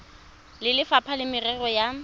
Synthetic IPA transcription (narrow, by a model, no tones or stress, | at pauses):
lɪlɪfapʰalɪmɪrɛrɔja